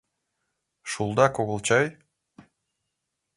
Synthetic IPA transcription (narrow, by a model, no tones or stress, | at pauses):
ʃulˠd̪ɑkoɣɤ̆lˠt͡ɕɑj